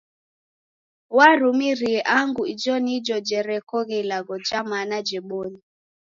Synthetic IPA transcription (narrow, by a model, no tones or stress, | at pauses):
waɾumiɾiɛʔaŋɡuid͡ʒɔnid͡ʒɔd͡ʒɛɾɛkɔɣɛilaɣɔd͡ʒamanad͡ʒɛɓɔni